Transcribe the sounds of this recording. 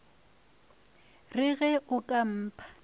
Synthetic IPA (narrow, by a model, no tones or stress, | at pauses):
rɪɣɛʔʊkʼam̩ːpʰʼḁ